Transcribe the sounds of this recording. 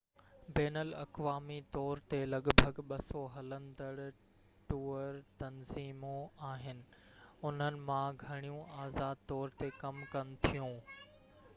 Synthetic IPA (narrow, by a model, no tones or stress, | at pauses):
beːnəlɐ̰kʋaːmit̪ɔːɾt̪elɐɠbʱəɡɓɐsoɦɐlə̃nd̪əɽ | ʈuːəɾt̪ɐnziːmoaːɦɪnɪ̆ʊn̤ənɪ̆mãɡʱɐɽ̃ijũaːzaːd̪̚t̪ɔːɾt̪ekɐmkɐnɪ̆t̪ʰijũː